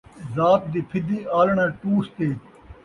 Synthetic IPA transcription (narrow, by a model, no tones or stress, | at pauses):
zaːp̚d̪ipʰɪd̪iaːlɳãːʈuːst̪eː